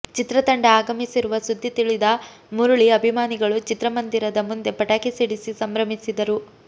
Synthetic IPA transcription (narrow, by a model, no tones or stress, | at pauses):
t͡ʃit̪ɾɐt̪ɐɳɖɐaːɡɐmisiɾuʋɐsud̪ʱːit̪iɭid̪ɐ | muɾuɭiɐbʱimaːniɡɐɭut͡ʃit̪ɾɐmɐnd̪iɾɐd̪ɐmund̪e̞pɐʈaːkisiɽisisɐmɾɐmisid̪ɐɾu